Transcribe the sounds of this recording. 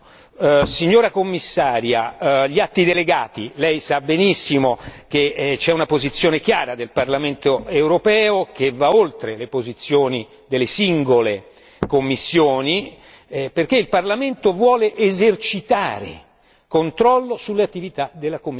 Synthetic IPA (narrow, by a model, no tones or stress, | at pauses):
siɲːoːɾakomːisːaːɾjaʎiat̪ːid̪eleɡaːt̪ilɛjsabenisːimoket͡ʃɛunapozit̪sːjoːnek̟jaːɾad̪elparlament̪oewɾopɛːok̟evaolt̪ɾelepozit̪sːjoːni | d̪elːesiŋɡole | komːisːjoːni | perk̟eilparlament̪ovwɔːleʔezert͡ʃit̪aːɾḛ | kont̪ɾɔlːosulːeat̪ːivit̪ad̪elːakomː